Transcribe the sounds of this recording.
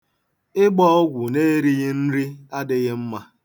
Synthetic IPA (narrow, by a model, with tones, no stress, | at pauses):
ɪ˦ɡ͡bɔ˦ɔ˦ɡʷʊ˨ne˦ɾi˦ɣɪ˦n̩˦ɾi˦a˦dɪ˦ɣɪ˦m̩˦ma˦